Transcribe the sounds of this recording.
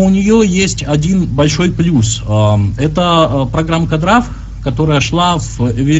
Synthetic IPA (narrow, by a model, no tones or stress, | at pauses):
ʊnʲɪjojesʲtʲɐdʲinbɐlʲʂo̞jplʲusɛt̪əpɾɐɡɾamːkɐd̪ɾaf | kɐt̪o̞ɾəjəʂlˠavvʲɪ